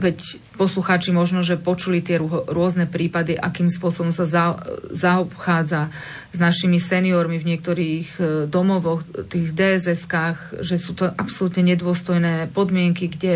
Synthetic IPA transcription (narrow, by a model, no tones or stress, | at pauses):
ʋɛc | pɔsluxaːt͡ʃimɔʒnɔʒɛpɔt͡ʃulit̪ɪɛɦɔɾʊɔznɛpɾiːpad̪iʔa̰kiːmspʊɔsɔbɔmsazazaɔpxaːd͡za | znaʃimisɛniɔɾmivɲɪɛk̚t̪ɔɾiːɣd̪ɔmɔʋɔxt̪iːɣd̪ɛːzɛskaːɣʒɛsuːt̪ɔʔapsɔlut̪ɲɛɲɛd̪ʊɔst̪ɔjnɛːpɔd̪mɪɛŋkiɡɟɛ